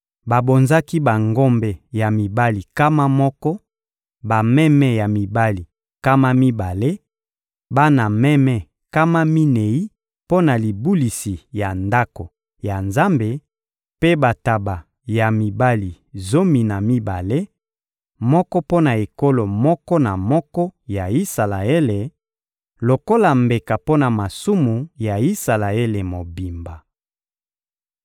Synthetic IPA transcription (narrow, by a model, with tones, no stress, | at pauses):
ba˨bo˨nza˦ki˦ba˨ŋɡo˦mbe˨ja˨mi˨ba˦li˨ka˦ma˦mɔ˦kɔ˦ | ba˨mɛ˦mɛ˦ja˨mi˨ba˦li˨ | ka˦ma˦mi˦ba˨le˦ | ba˦na˨mɛ˦mɛ˦ | ka˦ma˦mi˦ne˨i˦ | po˦na˨li˨bu˦li˨si˨ja˨nda˦ko˨ | ja˨nza˦mbe˨ | pe˦ba˨ta˨ba˨ | ja˨mi˨ba˦li˨ | zo˦mi˨na˨mi˦ba˨le˦ | mɔ˦kɔ˦po˦na˨e˨ko˦lo˨mɔ˦kɔ˦na˨mɔ˦kɔ˦ja˨i˦sa˨la˨e˦le˨ | lo˨ko˦la˨mbe˨ka˨po˦na˨ma˨su˦mu˨ja˨i˦sa˨la˨e˦le˨mo˨bi˨mba˨